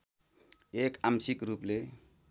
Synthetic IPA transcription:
ekamsikɾuple

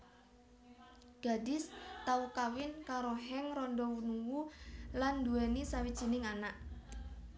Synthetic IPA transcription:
ɡ̥a̤dɪst̪aukawɪnkaɾoɦɛŋrɔnɖɔwunuwulandṳɛnisawidt͡ʃinɪŋanaʔ

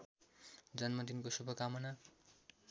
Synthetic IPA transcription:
d͡zʌnmʌd̪inkosubʱʌkamʌna

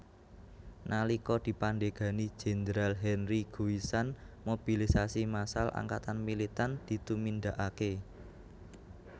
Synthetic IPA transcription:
nʔalikɔd̪̥i̤panɖeɡ̥ä̤ni̥d͡ʒ̥e̤nd̪ɾalɦɛnriɡ̥uwisanmob̥ilisasimasalʔa̰ŋkat̪anmilit̪and̪̥i̤t̪umind̪a̤ʔake

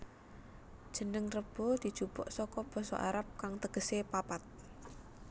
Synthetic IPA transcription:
d̥ʒ̥ə̤nəŋrəb̥ɔ̤d̪̥i̤d̥ʒ̥ub̥ɔʔsɔkɔb̥ɔ̤sɔ̰ʔaɾap̚kaŋt̪əɡ̥əsepapat̪̚

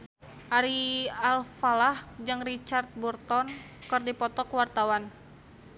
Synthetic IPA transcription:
ʔaɾialfalahd͡ʒɨŋrit͡ʃart̪̚burt̪ɔnkɨrdipɔt̪ɔkwart̪awan

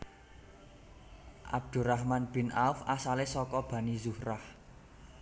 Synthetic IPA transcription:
ʔa̰b̚d̪̥ṳrahmanb̥i̤nalfasalesɔkɔb̥ä̤nizuhrah

